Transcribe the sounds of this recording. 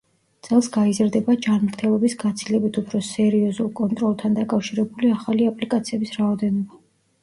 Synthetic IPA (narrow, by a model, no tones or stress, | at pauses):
t̪sʼɛlˠsɡaizɾd̪ɛbad͡ʒanmɾt̪ʰɛlˠɔbisɡat̪sʰilɛbit̪ʰupʰɾɔsɛɾiɔzulˠkʼɔnt̪ʼɾɔlˠt̪ʰand̪akʼafʃiɾɛbuliaχaliapʼlikʼat̪sʰiɛbisɾaɔd̪ɛnɔba